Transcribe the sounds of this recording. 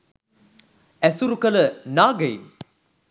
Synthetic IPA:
ɛsuɾukələnaːɡɐjm

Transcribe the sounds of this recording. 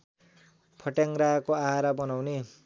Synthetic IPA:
pʰʌʈjaŋɾakoaɦaɾabʌnawne

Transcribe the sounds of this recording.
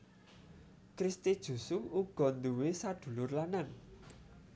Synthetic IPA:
kɾist̪id̥ʒ̥ṳsʊŋuɡ̥ɔ̤nd̪uwesad̪̥ṳlʊrlanaŋ

